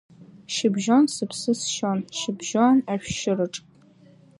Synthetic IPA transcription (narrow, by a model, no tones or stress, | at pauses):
ʃɪbʒonsɨpʰsɨsʃonʃɪbʒonaʃᶣʃɪrɨʈ͡ʂʼ